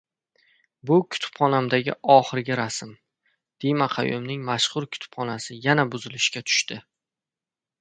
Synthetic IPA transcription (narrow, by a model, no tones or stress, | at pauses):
bʊkʰʊ̥t̪ʰʊ̥pχɒnamd̪aɡʲɪ̰ʔɒχɨɾɡʲɪɾasɪm | d̪̥ijmaqʰɑ̰jʊ̰mnɪŋmaʃχʊɾkʲʰʊ̥t̪ʰʊ̥pχɒnasɪjanabʊzɪlɪʃkʲat̪ʰʊ̥ʃt̪ɪ